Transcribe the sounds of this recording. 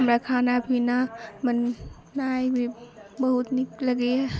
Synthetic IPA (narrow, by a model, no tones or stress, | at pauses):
mɾakʰanabʰinamənː | ajbibəhut̪̚nik̚laɡe